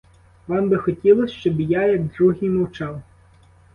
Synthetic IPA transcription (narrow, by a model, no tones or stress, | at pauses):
ʋɑmbɪxɔtʲilˠɔsʲʃt͡ʃɔbjajɐɡd̪ɾuɦijmɔwt͡ʃɑw